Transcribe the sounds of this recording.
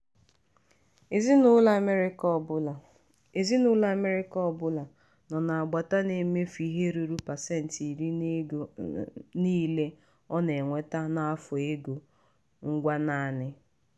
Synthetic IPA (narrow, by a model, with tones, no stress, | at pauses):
znʊ˦la˨m˦ɾ | e˨zi˦nʊ˦la˨me˦ɾɪ˦kɔ˨ɔ˦bʊ˦la˨ | nɔ˨na˨a˨ɡ͡ba˨ta˦ne˨˦me˦fi˦ɦe˦ɾu˨ɾu˦pa˨se˦n̩˨ti˨ɾi˦ | niː˦le˦ | ɔ˦ne˨ŋʷe˦ta˦na˦a˦fʊ˨e˦ɡo˨ | ŋ̩˦ɡʷa˦na˦a˦˨nɪ˦